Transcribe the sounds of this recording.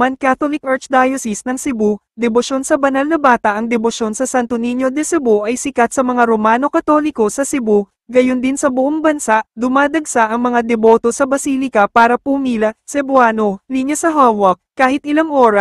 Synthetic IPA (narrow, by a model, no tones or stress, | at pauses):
mɐnkat̪olɪkɐt͡ʃd̪ajosɪsnɐŋsɪbu | d̪ɛboʃo̞nsɐbɐnalnɐbaːt̪ɐʔɐŋd̪ɛboʃo̞nsɐsant̪oniɲjo̞d̪ɛsɛboʔɐjsɪkɐt̪̚sɐmɐŋaɾo̞maːno̞kɐt̪o̞ːlɪko̞sɐsɪbo | ɡɐjo̞nd̪ɪnsɐbʊʔoŋbɐnsaʔd̪ʊmaːd̪ɐɡsaʔɐŋmɐŋad̪ɛbo̞t̪o̞sɐbɐsiːlɪkɐpaːɾɐpumiːlɐsɛbʊaːno̞liɲjɐsɐɦawok̚kːaːhɪt̪̚ʔɪlaŋʔo̞ːɾɐ